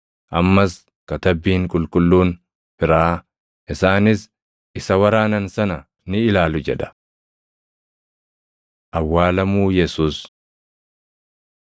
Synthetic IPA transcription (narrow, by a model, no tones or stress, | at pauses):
ʔɐmːɐs | kɐt̪ɐbːiːŋkʼʊlkʼʊlːuːn | fɪɾaː | ʔɪsaːnɪs | ʔɪsɐwɐɾaːnɐnsɐnɐ | nɪɪlaːlʊd͡ʒɛᶑɐ̥ | ʔɐwːaːlɐmuːjɛsuːs